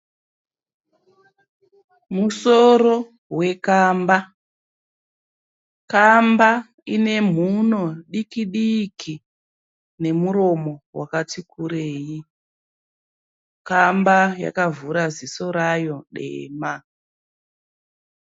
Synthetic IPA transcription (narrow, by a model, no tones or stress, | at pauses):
muso̞ro̞ | we̞kaːmba | kamba | ine̞m̤uno̞ɗikiɗikʰi | ne̞muɾo̞mo̞wa̰katikʰuɾeːji | kambaja̰kavuɾaziso̞ɾajo̞ɗḛːma